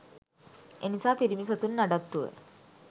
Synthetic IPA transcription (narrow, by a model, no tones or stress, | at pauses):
enisaːpiɾimisət̪unːaɖat̪ːuʋə̰